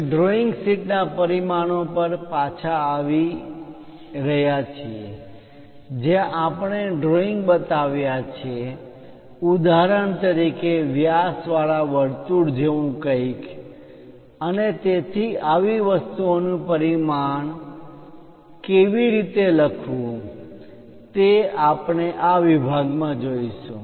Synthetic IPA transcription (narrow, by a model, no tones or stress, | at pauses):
ɖɾoɪŋɡsiʈnapəɾimanopəɾpat͡ʃʰaːʋi | ɾəɦjat͡ʃʰie | d͡ʒeʔapəɳ̃eɖɾoĩŋɡbət̪aʋjat͡ʃʰe | ud̪aɾəɳt̪əɾikeʋjasʋaɭaʋəɽt̪uɽd͡ʒeʋũkəik | ənet̪et̪ʰiaʋiʋəst̪uonũpəɾimaɳ | keʋiɾit̪eləkʰʋũ | t̪eapɳ̃eʔaʋibʱaɡmãd͡ʒoiʃũ